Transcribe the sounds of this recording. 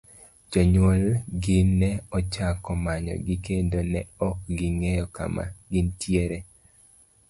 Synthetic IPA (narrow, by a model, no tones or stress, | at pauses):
d͡ʒoɲwolɡɪnɛɔt͡ʃakɔmaɲɔ̰ɡɪkendonɛɔk̚ɡɪŋejɔka̰ma̰ɡɪntjeɾe